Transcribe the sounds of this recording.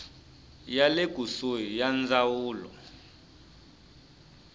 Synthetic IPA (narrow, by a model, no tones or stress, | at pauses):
jaleɡ̥ʱusojijand͡zawuːlɔ̰